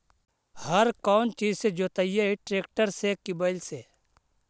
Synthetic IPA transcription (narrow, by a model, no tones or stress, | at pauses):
hɐɾkaːnt͡ʃiːd͡ʒsed͡ʒoːt̪ajeiʈɾeːkʈəɾsekɪbaɪlseː